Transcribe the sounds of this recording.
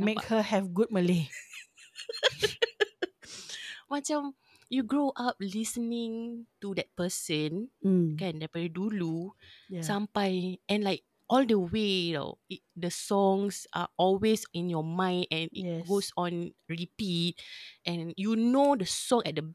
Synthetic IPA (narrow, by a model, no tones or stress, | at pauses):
mmehəhɛvɡut̚məle | mãt͡ʃã | juɡɹoʔap̚lisənĩŋtudɛt̚pəsə̃nkɛ̃ndɛpɛidulusãmpajɛ̃nlaɪk̚ | ɔldəwelo̰dəsɔ̃ŋsʔa̰ʔɔlwesĩnjɔmãɪ̃ndɛ̃niɡosɔ̃nɹipit̚ʔɛ̃njunodəsɔ̃ŋɛt̚də